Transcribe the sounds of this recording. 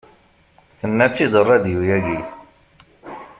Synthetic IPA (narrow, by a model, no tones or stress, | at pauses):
θənːæt͡ʃːid̪ərˤːæd̪jujæɡi